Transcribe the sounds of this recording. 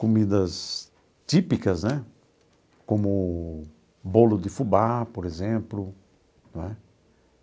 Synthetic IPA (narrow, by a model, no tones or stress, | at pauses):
komid̪ɐs | t̪ipikɐznɛ | kõmʊ | bolʊd̪ɪfubapoɾezẽmplʊ | nwɛ